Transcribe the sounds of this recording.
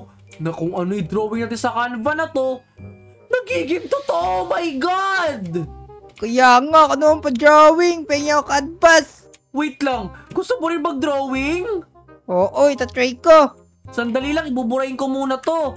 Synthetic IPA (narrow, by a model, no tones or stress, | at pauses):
nɐkʊŋɐnoʔɪd̪ɾoːwɪŋnɐt̪ɪsɐkanvɐnɐt̪o̞ | nɐɡiːɡɪŋt̪ot̪oʔomɐjɡad̪̚ | kɐjaːŋakɐnoʔoŋpɐd̪ɾoːwɪŋpɛŋaokɐd̪̚pas | wijt̪laŋɡ̥ʊst̪opʊɾɪnmɐɡ̚d̪ɾowɪŋ | ʔoːʔoɪt̪ɐt̪ɾɛjko | sɐnd̪ɐlilɐŋɪbʊbʊɾɐhɪŋkomuːnɐt̪o̞